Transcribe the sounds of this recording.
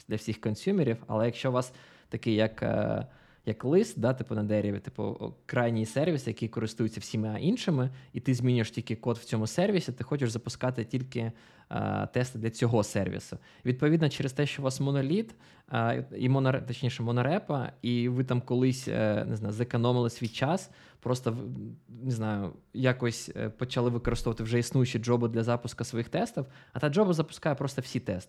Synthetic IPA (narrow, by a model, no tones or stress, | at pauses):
d̪lʲɐwsʲixkɔnsʲumʲɪɾʲiwɐ̰lˠɛjɐkʃt͡ʃɔʋɑs | t̪ɐkɪjɐk | jɐklˠɪst̪̚d̪ɑt̪ɪpʊnɐd̪ɛɾʲɪʋʲɪt̪ɪ̥pʊ̰kɾɑjnʲisɛrʋʲisɪjɐkijkɔɾɪst̪ujʊt͡sʲːɐwsʲimɪɐʔinʃɪmɪit̪ɪzmʲinʲʊjeʃtʲikɪkɔt̪w̥t͡sʲɔmʊsɛrʋʲisʲit̪ɪxɔt͡ʃɪʃzɐpʊskɑt̪ɪtʲilʲkɪ̰ | t̪ɛst̪ɪd̪lʲɐt͡sʲɔɦɔsɛrʋʲḭsʊ | ʋʲid̪̚pɔʋʲid̪nɐt͡ʃɛɾest̪ɛʃt͡ʃɔʋɑsmɔnɔlʲit̪ | ḭmɔnɔɾɛt̪ɐt͡ʃnʲiʃɛmɔnɔɾɛpɐ̰iʋɪt̪amkɔlˠɪsʲnɪ̰znɑjʊzɐkɔnɔmɪlˠɪsʲʋʲijt͡ʃɑs | pɾɔst̪ɔnɪznɑjʊ̰jakɔsʲpɔt͡ʃɐlˠɪʋɪkɔɾɪst̪ɔʋɐt̪ɪwʐɛisnujʊt͡ʃid͡ʒɔbʊd̪lʲɐzɑpʊskɐsʋɔjixt̪ɛst̪ɔwɐt̪ɑd͡ʒɔbɐzɐpʊ̥skɑjɛpɾɔst̪ɔwsʲit̪ɛst̪ɪ̥